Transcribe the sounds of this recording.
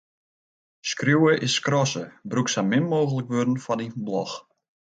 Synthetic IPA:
skrjuwəʔɪskrɔsəbruksamɪmmoːɣələkʋørdən̩fɔniblɔx

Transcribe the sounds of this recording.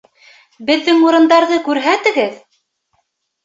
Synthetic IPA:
bɘ̆ðːɘŋuɾɤ̆nd̪ɑɾðɤkʉɾɦæt̪ɘ̆ɡɘð

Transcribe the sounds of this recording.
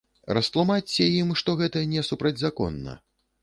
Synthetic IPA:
rɐst̪lˠumat͡sʲːɛjimʂt̪ɔɣɛt̪ɐnʲɛsupɾɐd͡zʲzakɔ̰nːɐ̰

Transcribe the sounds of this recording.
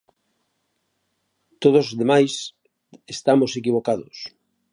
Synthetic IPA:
t̪oð̞ozðemajs | est̪amosekiβ̞okaðʊs

